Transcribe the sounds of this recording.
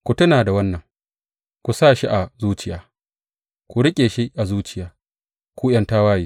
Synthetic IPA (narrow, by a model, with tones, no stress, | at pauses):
kʷu˨tʊ˦naː˨da˨wɐ˦nːɐ˨ŋ | kʷu˨saː˦ʃi˦ʔa˨zuː˦t͡ʃɪ˦jaː˦ | kʷu˨ɾɪ˦kʲʼeː˨ʃi˦ʔa˨zuː˦t͡ʃɪ˦jaː˦ | kʷuː˦j̰ɐ˦nta˦waː˦jiː˦